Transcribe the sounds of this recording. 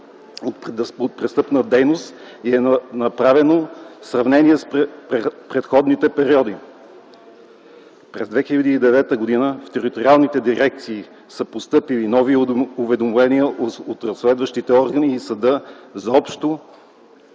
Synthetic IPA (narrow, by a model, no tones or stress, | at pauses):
oot̪̚pɾɛst̪ɤpnəd̪ɛjnost̪ | iɛnɐpɾavɛnosɾɐvnɛnʲiɛspppɾɛt̪xɔd̪nit̪ɛpɛɾiɔd̪i | pɾɛzd̪vɛxilʲɐd̪iːd̪ɛvɛt̪əɡod̪inəft̪ɛɾit̪oɾialˠnit̪ɛd̪iɾɛk̚t̪siː | sɤpost̪ɤpilinɔviʊvɛd̪omlɛniəʔot̪ɾəslɛd̪vəʃt̪it̪ɛɔɾɡəniːsɐd̪ɤzɔpʃt̪o